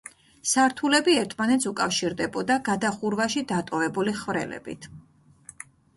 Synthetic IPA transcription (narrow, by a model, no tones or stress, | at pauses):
saɾt̪ʰulɛbiɛɾt̪ʰmanɛt̪sukʼafʃiɾd̪ɛbɔd̪aɡad̪aχuɾvaʃid̪at̪ʼɔvɛbuliχvɾɛ̰lɛ̰bḭt̪ʰ